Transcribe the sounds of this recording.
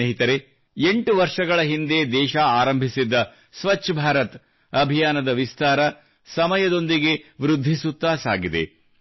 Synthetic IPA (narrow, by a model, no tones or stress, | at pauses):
eɦit̪ɐɾe | eɳʈuʋɐɾʂɐɡɐɭɐɦind̪ed̪ɛːʃɐaːɾɐmbʱisid̪ːɐ | sʋɐt͡ʃːɐbʱaːɾɐt̪ | ɐbʱijaːnɐd̪ɐʋist̪aːɾɐ | sɐmɐjɐd̪o̞nd̪iɡe̞ʋɾud̪ʱːisut̪ːaːsaːɡid̪ḛ